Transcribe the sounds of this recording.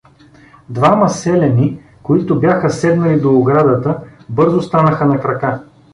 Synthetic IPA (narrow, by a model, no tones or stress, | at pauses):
d̪vamɐsɛlɛni | koit̪ʊbjaxəsɛd̪nɐlid̪oːɡɾad̪ət̪əbɤɾzost̪anəxənɐkɾɐka